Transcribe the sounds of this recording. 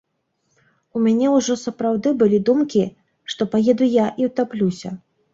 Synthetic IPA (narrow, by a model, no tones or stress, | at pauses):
umʲanʲɛwʐɔsɐpɾawd̪ɨbɨlʲid̪umkʲi | ʂt̪ɔpajɛd̪ujaʔiwt̪aplʲusʲɐ